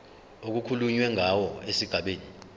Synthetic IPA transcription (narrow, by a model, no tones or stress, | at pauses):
ok̬ukʰuluɲwɛŋʱawɔesiɡ̥ʱaɓeːni